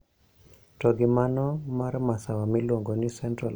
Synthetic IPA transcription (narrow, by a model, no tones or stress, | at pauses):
tɔɡɪmanɔmarmasawamilwoŋɡonɪsɛntɾal